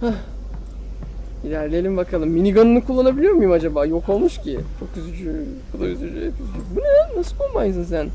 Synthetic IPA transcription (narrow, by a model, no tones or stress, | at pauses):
hah | ilʲæɾlʲejelʲimbakʰalˠɯmːinʲiɡanɯnɯkʰulˠːanabilʲijoɾmjimad͡ʒabaːjo̞ko̞lˠmuʃcit͡ʃʰo̞kyzyd͡ʒy | bud̪ˠayzyd͡ʒyɛkyzd͡ʒybuned̪ænːasɯkʰolˠmajsɯns̬æn